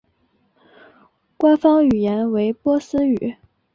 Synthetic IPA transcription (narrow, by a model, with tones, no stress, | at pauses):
kwa˥nfɑ˥ŋy˨˩jɛ˧˥nwe˧˥ɪpwɔ˥sɹ̩˥y˨˩˦